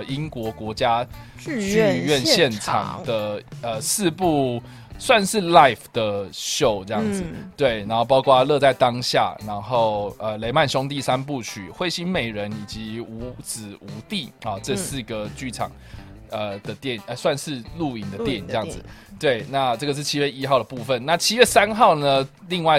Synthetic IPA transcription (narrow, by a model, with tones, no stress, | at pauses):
i˦nkwɔ˧˥kwɔ˧˥t͡ɕja˥ | y˥˧ɥɛ˥˨nɕɕjɛ˥˨nʈ͡ʂʰɑ̰˨˩ŋd̪ə˩ə˨sɹ̩˥˧pu˥˧ | swa˥˧nʂɻ̩˥˧la˥˨ɪfd̪̥ə˩ɕjo˥˧ʊʈ͡ʂɤ˥˧jɑ˥˨ŋd͡z̩˨˩t̪we˥˩ɪna˨˧nxo˥˩ʊpɑ˥ʊkʰwa˥˦lɤ˥˧t͡sa˥˩ɪt̪ɑ˦ŋɕja̰˥˨na˧˥nxo˥˩ʊə˨le˧˥ɪma˥˨nɕjʊ˥ŋt̪̬i˥˩sa˦np̬u˥˨t͡ɕʰy̰˨˩xwe˥˧ɪɕi˥nme˨˩ɪɻə˨˦ni˨˩t͡ɕi˨˧˦u˧˥t͡sɹ̩˨˩u˧˥˦t̪i˥˩ɔ˨ʈ͡ʂə˥˧sɹ̩˥˩ɡə˩t͡ɕy˥˧˩ʈ͡ʂʰɑ̰˨˩ŋ | ə˨d̪ə˩t̪jɛ˥˩nə˧swa˥˧nʂɻ̩˥˧lu˥˩i˨˩ŋd̪ə˩t̪jɛ˥˩ni˨˩ŋʈ͡ʂə˧jɑ˥˨d͡zɨ˩t̪we˥˩ɪna˥˧ʈ͡ʂɤ˥˩ɡə˩ʂ̬̩˥˩t͡ɕʰi˥ɥɛ˥˧i˥xɑ˥˩ʊd̪ə˩pu˥˧fə˨nna˥˨t͡ɕʰi˥ɥɛ˥˩sa˦nxɑ˥˩ʊnə˨ | li˥˧ŋwa˥˧ɪ